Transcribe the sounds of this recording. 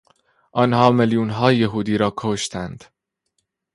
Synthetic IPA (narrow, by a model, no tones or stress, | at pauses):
ʔɒnhɒːmeljuːnɦɒːjeɦuːd̪iːɾɒːkʰoʃt̪ʰænd̪̥